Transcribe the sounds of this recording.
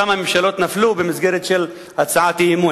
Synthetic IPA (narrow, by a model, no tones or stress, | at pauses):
amamemʃaloːt̪naflubemizɡeɾet̪ʃel | hat͡saʕat̪eimu